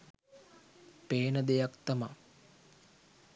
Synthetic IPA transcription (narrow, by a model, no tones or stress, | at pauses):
peːnəd̪ejakt̪ɐma